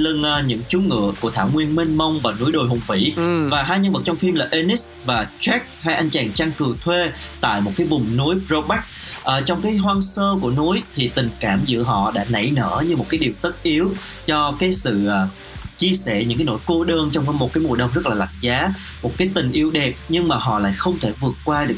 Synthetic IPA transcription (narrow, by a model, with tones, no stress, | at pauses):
lə˧nʔːɲɨ̰˧˥ŋt͡ɕu˨˦ŋɨ̰˧˨əku˧˩ət̪ʰaː˧˩wŋwi˧ənmi˧nmə˧wŋ͡mvaː˨˩nu˨˦əjɗo˨˩jɦʊ˨˩ŋ͡mfḭ˧˥vaː˨˩ɦaː˧jɲə˧nvə˨˩t̚t͡ɕɔ˧ŋ͡mfi˧mlaː˨˩ʔe˧ni˦˥s | vaː˨˩t͡ɕɛ˦˥k̚haː˧jʔa˧jŋ̟t͡ɕaː˨˩ŋt͡ɕaː˧ŋkɨ˨˩ət̪ʰwe˧t̪a̰ː˧˨jmo˨˩t̚kaː˨˦jvʊ˨˩ŋ͡mnu˨˦əjpzo˧ɓa˦˥k̚ʔəː˧˩t͡ɕɔ˧wŋ͡mkaː˨˦jɦwaː˧nsəː˧ku˧˩ənu˨˦əjt̪ʰi˨˩t̪ï˨˩ŋ̟kaː˧˩mzɨ̰˧˥əɦɔ̰˧˨ɗa̰ː˧˥nə̰˧˩jnə̰ː˧˩ɲɨ˧mo˨˩t̚kaː˨˦jɗi˨˩əwt̪ə˦˥t̚ʔi˨˦əw | t͡ɕɔ˧kaː˨˦jsɨ̰˧˨ʔaː˨˩ | t͡ɕi˧əsɛ̰˧˩ɲɨ̰˧˥ŋkaː˨˦jno̰˧˥jko˧˦ɗəː˧nt͡ɕɔ˧wŋ͡mmo˨˩t̚kaː˨˦jmu˨˩jɗə˨˧wŋ͡mzə˦˥t̚laː˨˩la̰˧˨ŋzaː˨˦ | mo˨˩t̚kaː˨˦jt̪ï˨˩ŋ̟ʔi˧əwɗɛ˨˩p̚ɲɨ˧ŋmaː˨˩ɦɔ̰˧˨la̰ː˧˨jxə˧wŋ͡mt̪ʰe˧˩vɨ˨˩ət̚kːwaː˧ɗɨ˨˩ək